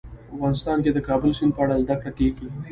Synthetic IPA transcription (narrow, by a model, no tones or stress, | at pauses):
afɣɑːnɪst̪ɑːnked̪əkɑːbəlsɪn̚pəaɽald̪ɐkɽaʈiːkli